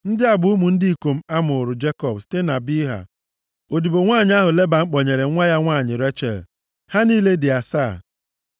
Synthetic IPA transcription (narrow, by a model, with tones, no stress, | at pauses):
n̩˦dɪ˦a˨bʊ˨u˦mu˨n̩˦di˦i˨ko˨m̩˦a˦mʊ˨ɾʊ˨d͡ʒe˦kɔ˨bsi̥˦te˦na˨bi˦ɦa̰˨ | o˨di˨bo˨ŋʷaː˦˨ɲɪ˦a˦ɦʊ˨le˦ba˨ŋ͡m̩˦k͡pɔ˨ɲe˨ɾe˨˦ŋʷa˦ja˦ŋʷaː˦˨ɲɪ˨ɾe˦t͡ʃḛ˨l | ha˦niː˦le˦dɪ˨a˨sa˦˨